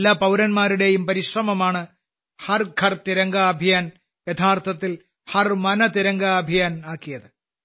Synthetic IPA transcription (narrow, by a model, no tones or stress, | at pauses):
lːaːpɐwɾɐnmaːɾuɽe̞jumpɐɾiɕrɐmɐmaːɳɨ | hɐrkʰɐrt̪iɾɐŋɡɐːbʱijaːn | jɐt̪ʰaːrt̪ʰɐt̪ːil | hɐrmɐnɐt̪iɾɐŋɡɐːbʱijaːnaːkːijɐðɨ